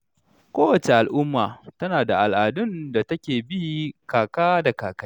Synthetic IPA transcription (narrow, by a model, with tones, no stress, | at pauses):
kʷoː˦wɐ˨t͡ʃe˨ʔa˨lʔʊ˦mːa̰ː˨tɐ˦naː˨da˨ʔa˨lʔaː˨dʊ˦nda˨tɐ˦kʲeː˨bi˦kaː˨kaː˦da˨kaː˨kɐ˦